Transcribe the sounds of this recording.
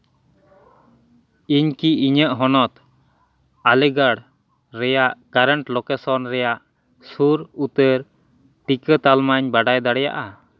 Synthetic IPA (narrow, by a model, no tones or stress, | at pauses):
iɲkiiɲəʔɦɔnɔt̪ | alɛɡaɽ | ɾɛjaʔkaɾəɳʈlɔkɛsɔnɾɛjaʔ | suɾut̪əɾ | ʈikət̪almaɲbaɖajd̪aɽɛja̰ʔa